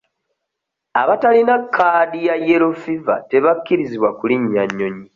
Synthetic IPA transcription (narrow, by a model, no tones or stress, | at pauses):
aβatalinakʰːaːdijaje̞ɾo̞fiva̰te̞βakːiɾiziβwakuliɲːaɲːo̞ɲi